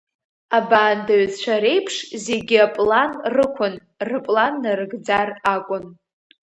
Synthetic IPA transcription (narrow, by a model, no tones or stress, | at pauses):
abaːndaɥt͡st͡ʃʷʰaɾe̞jpʰʂze̞ɡʲiapʼlanrɨkʷʰʊn | rɨpʼlanːaɾɨɡd͡zarakʷʼʊn